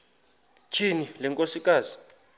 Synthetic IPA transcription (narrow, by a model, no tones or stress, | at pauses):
t͡ʃʰinilɛŋkʼosikʼaːzi̥